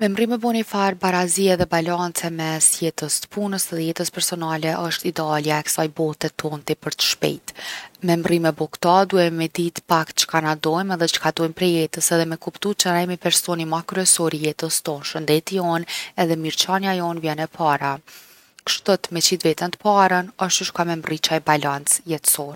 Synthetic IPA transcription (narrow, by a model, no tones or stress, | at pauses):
mɛmrimɛbɔnifaɾbaɾaziɛðɛbalant͡sɛmɛsjɛt̪əst̪ə̥punəsɛðɛjɛt̪əspɛɾsɔnalɛʔəʃt̪id̪aljaɛksajbɔt̪ɛt̪ɔnt̪ipəɾt̪ə̥ʃpɛ̰jt̪mɛmrimɛbɔkt̪ad̪uɛmɛd̪it̪pakt̪̚t͡ʃə̥kanad̪ɔjmɛðɛt͡ʃə̥kad̪ɔjmpɾɛjɛt̪əsɛðɛmɛkupt̪ut͡ʃənaɛmipɛɾsɔnimakɾyɛsɔɾijɛt̪əst̪ɔnʃənd̪ɛt̪iɔnɛðɛmiɾt͡ʃanjajɔnvjɛnɛpʰaɾa | kʃt̪ɔt̪mɛt͡ʃid̪vɛt̪ɛnt̪ə̥paɾənəʃt̪uʃkamɛmrit͡ʃaɛbalant͡sjɛt̪ə̥sɔɾ